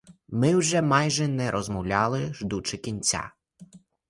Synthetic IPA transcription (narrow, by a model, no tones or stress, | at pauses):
mɪwʒɛmɑjʒɛnɛɾʔɔzmɔwlʲɑlˠɪʒd̪ut͡ʃɪkʲinʲt͡sʲa̰